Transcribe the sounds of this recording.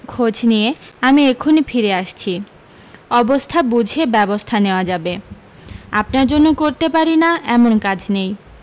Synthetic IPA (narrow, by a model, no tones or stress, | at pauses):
kʰod͡ʑnijeamiekʰonifiɾeaʃt͡ɕʰi | ɔbost̪ʰabud͡ʑʱebɛbost̪ʰaneoad͡ʑabe | apnaɾd͡ʑonːokoɾt̪epaɾinaɛmonkad͡ʑnej